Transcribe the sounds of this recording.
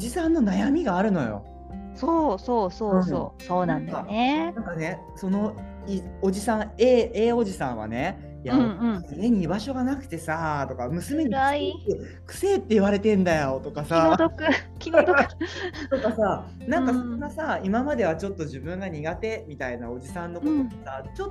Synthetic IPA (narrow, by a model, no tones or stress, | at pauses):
oʑisãnːo̞najamʲiɡaːɾɯ̟no̞jo̞̰ | soːsoːsoːɯ̟̃oːsoːnãd̪aenãŋkane̞ | so̞no̞ | io̞ʑisãeːe̞ːo̞ʑisã̰ɰ̃βa̰ne̞ | jãie̞ɲ̟ibaɕo̞ɡanakɯ̟̥t̪e̞sat̪o̞kamɯ̟sɨme̞ɲ̟ie | kɯ̟̥se̞ːt̪ːe̞iβaɾe̞t̪ẽ̞nd̪ajo̞t̪o̞kasaod̪okɯkʲind̪okɯt̪o̞kasa | nãkasoɡasaimamad̪e̞β̞at͡ɕo̞t̪ːo̞ʑibɯ̟̃ŋɡaɲ̟iɡat̪e̞mʲit̪aina̰o̞d͡ʑisãnːo̞koomasat͡ɕot̪ː